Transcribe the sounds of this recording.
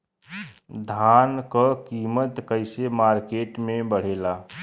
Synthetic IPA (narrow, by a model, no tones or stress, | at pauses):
d̪ʱaːnkəkiːmət̪kəɪsemaːɾkeːʈmẽbəɽ̤eːlaː